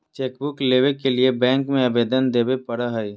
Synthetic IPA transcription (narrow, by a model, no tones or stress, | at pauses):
t͡ʃeːkbʊkleːʋekeliebɛ̃ːŋkmẽɐbeːd̪ənd̪eːbepɐɽaɦɐi